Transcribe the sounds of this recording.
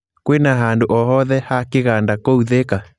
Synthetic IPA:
kwenaɦandoʔɔhɔðɛhakeɣandakouðeka

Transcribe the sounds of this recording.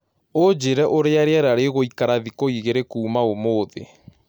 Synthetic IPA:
od͡ʒeɾɛʔoɾeaɾeaɾaɾeɣoikaɾaðikoiɣeɾekuːmaomoðḛ

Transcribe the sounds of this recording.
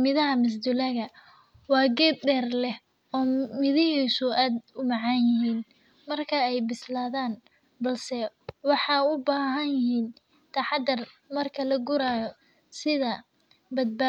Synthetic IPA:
mɪðɐɦɐmɪs̬d̪ʊlɐɣɐ | wɑːɡɛːb̚d̪ɛːrlɛh | ɔːmɪðɪhiːsʊʔaːd̪ʊmɑʕɑnjɪɦiːn | mɐrkʰɐɛjbɪslaːðaːn | bɐlsɛwɑħɑːʊbaːɦɐnjɪhiːn | t̪ʰɐħɑd̪ɐrmɐrkʰɐlɐɡʊɾaːjɔ | sɪðɐ | bɐd̪̚ba

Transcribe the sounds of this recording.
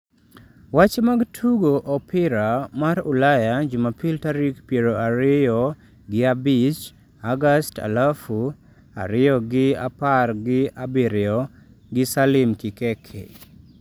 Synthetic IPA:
wat͡ʃemaɡtʰuɡoʔɔpɪɾamaɾʊlajad͡ʒʊmapiltaɾikpjeɾoaɾɪjɔ | ɡɪabɪt͡ʃ | aɡasta̰lafu | a̰ɾɪjɔɡɪa̰parɡɪabiɾɪɔ | ɡɪsalɪmkɪkɛkʰḛ

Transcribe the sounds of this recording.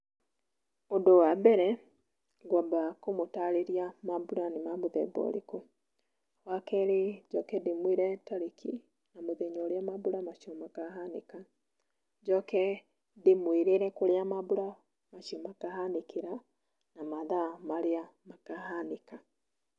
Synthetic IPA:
ondowabɛɾɛ | ɡwabakomotaɾeɾiamabuɾanemamoðɛ̰bɔ̰ɾḛko | wakɛɾed͡ʒɔkɛdemwiɾɛtaɾikʰi | namoðeɲɔɾeamabuɾamaʃiɔmakaɦaneka | d͡ʒɔkɛ | demwiɾeɾɛkoɾeamabuɾa | maʃiɔmakaɦanekeɾa | namaðamaɾeamakahaneka

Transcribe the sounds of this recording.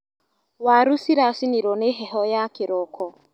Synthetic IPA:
waɾusiɾasiniɾɔneɦɛɦɔjakɪɾɔkɔ

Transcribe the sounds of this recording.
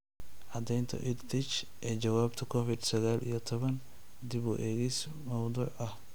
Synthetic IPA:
ʕɑd̪ɛjnt̪ʰɐ̰ʔɪd̪t̪ɪt͡ʃ | ʔɛːt͡ʃɐwaːbt̪ʰɐkʰɔfɪd̪sɐɣaːlʔḭjɞt̪ʰɔβɐn | d̪ɪβʊ̰ːʔɛːɣis | mɐwd̪uːʕʔɐh

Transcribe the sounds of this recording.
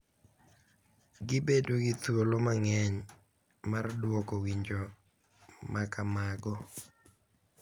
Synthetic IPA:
ɡɪbedoɡɪt̪wolomaŋɛɲ | mardwɔkɔwiɲd͡ʒo | makamaɡɔ

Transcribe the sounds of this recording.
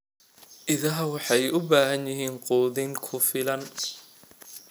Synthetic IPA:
ʔɪðɐɦɐwɑħɑjʊbaːɦɐnjɪɦiːnqɔːðɪŋkʰʊfɪlɐn

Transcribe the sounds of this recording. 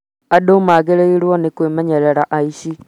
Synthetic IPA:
adomaːɡeɾeiɾwɔnikwemeɲeɾeɾaʔaiʃi

